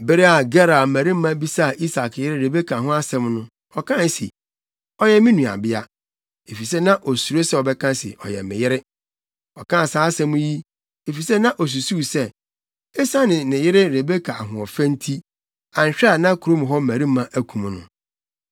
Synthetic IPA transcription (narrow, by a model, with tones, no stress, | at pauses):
bɪ˦ɾe˦a˨ɡɛ˦ɾa˨mæ̃˨ɾi˦m̩˦mã˦bi˦sa˦˨ʔi˦sa˨kjɪ˦ɾɪ˦ɾe˨be˦kʰa˨ɦʊ̃˦a˦sɛ̃˦mnʊ̃˦ | ɔ˨kʰã˦n˦sḭ˨ | ɔ˦jɛ˦mĩ˦nũ˨a̰˨bɪ˦a˦ | e˨fi˨sɛ˦nã˦ʔɔ˨su˨ɾo˦sɛ˦ɔ˨bɛ˦kʰã˦sɪ̰˨ʔɔ̰˨jɛ̰˨mɪ̰̃˨jɪ˦ɾɪ˦ | ɔ˨kʰã˦˨saː˨˦sɛ̃˦mũ˦ji˦ | e˨fi˨sɛ˦nã˦ʔɔ˨s̬u˨su˦˨sɛ˦˨ | e˦sã˦nɪ̃˨nɪ̃˨jɪ˦ɾɪ˦ɾe˨be˦kʰa˨a˨ɦʊ̃˨ɔ˨fæ̃˦n˦tʰi˦ | ã˨n̩˨ɕᶣɛ˦a˨nã˦ku˨ɾo˦m˨ɦɔ˦m̩˦mæ˨ɾi˦mã˦ʔæ˦kʰũ˨m˨˦nʊ̰̃˨